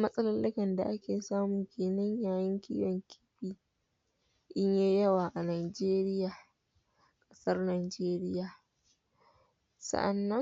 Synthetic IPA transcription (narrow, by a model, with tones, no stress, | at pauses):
mɐ˦sʼɐ˦lɐ˦lːɪ˦kɐ˨nda˨ʔa˦kʲeː˨saː˦mʊ˨ŋkʲʰeː˨nɐ˦ɲjaː˦jɪ˦ŋkʲʰḭː˦jɔ˨ŋkʲʰi̥ː˦ɸiː˨ | ʔɪ˦ɲjeː˦jɐ˦waː˨ʔa˨naː˨d͡ʒeː˦ɾɪ˦jaː˨ | kʼɐ̥˦sɐ˦rnaː˨d͡ʒeː˦ɾɪ˦jaː˨ | sɐ̰˨ʔa˨nːɐ˦